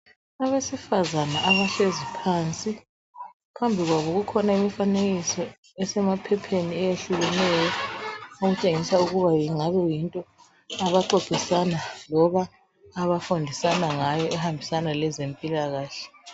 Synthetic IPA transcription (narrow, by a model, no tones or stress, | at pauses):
aβesifazanaʔːβaɬezipʰaːnt͡sʼi | pʰambʱiɣwaβɔɣukʰɔnaimifaneɣisɔ | ɛsɛmapʰɛpʰeniɛjeɬuɣɛnɛːjɔoɣut͡ʃʼeŋisauɣuβajiŋaβɛjintʼɔ | aβaǃoɡ̥ʱisanalɔβaː | βafundʱisanaŋajɔɛhambʱisanalɛzempʼilaɣaːɬɛ̥